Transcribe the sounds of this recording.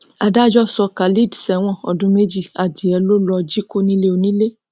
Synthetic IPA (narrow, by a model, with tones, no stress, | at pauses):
a˧da˦d͡ʒɔ˦sɔ˧ka˨li˦˨dsɛ˨w̃ɔ̃˦˨ɔ˨dũ˦me˦d͡ʒi˦˨a˨di˨˦ɛ˧lo˦lɔ˧d͡ʒi˦ko˦nĩ˦le˦o˧nĩ˦le˦